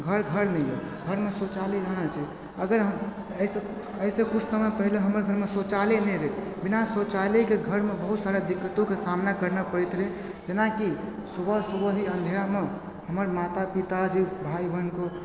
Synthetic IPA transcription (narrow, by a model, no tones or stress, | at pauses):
ɡʱəɾɡʱəɾnɛjjḛ | ɡʱəɾmesot͡ʃaliɾəɦñat͡ʃʰɛi | əɡəɾɦə | əise | əisẽkut͡ʃʰsəməpəɦileɦəməɾɡʱəɾmesot͡ʃalenɛɾebinasot͡ʃalekeɡʱəɾmebəɦut̪saɾad̪ikːət̪okesamnakəɾnapəɽɛt̪ɾe | d͡ʒenaki | subəsubəɦiə̃nd̪ʱeɾame | ɦəməɾmat̪apit̪ad͡ʒibʱaibʱənko